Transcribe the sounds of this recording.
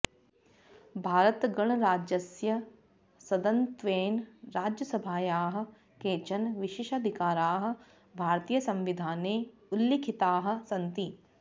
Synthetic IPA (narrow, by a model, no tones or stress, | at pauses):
bʱaːɾət̪ɡɐɳ̃ɾaːd͡ʒjɐsjɐ | sɐd̪ɐnt̪ʋeːnɾaːd͡ʒjɐsɐbʱaːjaːɦə̆ | keːt͡ʃɐnʋɪʃɪːʃɐd̪ʱikaːɾaːɦə̆ | bʱaːɾt̪iːjəsɐ̃mʋid̪ʱaːneː | ʊlːikʰit̪aːɦə̆sɐnt̪i